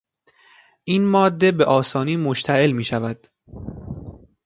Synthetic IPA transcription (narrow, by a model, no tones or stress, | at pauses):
ʔiːnmɒːd̪ːe̞beʔɒːsɒːniːmoʃt̪ʰæʔe̞lmiːʃævæd̪̥